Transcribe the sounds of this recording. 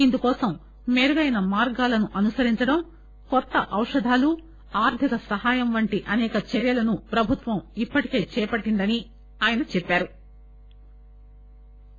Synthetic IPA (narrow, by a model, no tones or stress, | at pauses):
ind̪ukɔːsɐmː | eːɾuɡɐjnɐmaːɾɡaːlɐnuʔɐnusɐɾiɲt͡ʃɐɽɐm | kɔt̪ːɐʔɐwʂɐd̪ʱaːlu | aːɾt̪ʰikɐsɐɦaːjɐmʋɐɳʈiʔɐnɛːkɐt͡ʃɐɾjɐlɐnupɾɐbʱut̪ʋɐmipːɐʈike̞ːt͡ʃɛːpɐʈːind̪ɐni | aːjɐnɐt͡ʃɛpːaːɾu